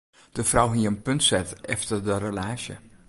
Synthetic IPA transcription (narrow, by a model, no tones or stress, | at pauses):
d̥əfrawɦiənpøntsɛtɛ̰ftərdərəlaːsjə̰